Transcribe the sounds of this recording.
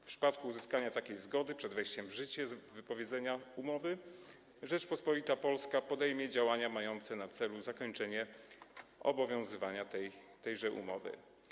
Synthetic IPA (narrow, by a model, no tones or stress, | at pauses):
fpʂɘ̥pat̪̚kuːzɘskaɲat̪akʲejzɡɔd̪ɘpʂɛd̪vɛjɕt͡ɕɛmvʐɘt͡ɕɛvɘpɔvʲjɛd̪zɛɲaumɔvɘ | ʐɛt͡ʂpɔspɔlʲit̪apɔlskapɔd̪ɛjmʲjɛd͡ʑawaɲamajɔnt̪sɛnat̪sɛluzakɔɲt͡ʂɛɲɛ | ɔ̰bɔvʲjɔ̃w̃zɘvaɲat̪ɛjt̪ɛjʐɛʔṵmɔvɘ̰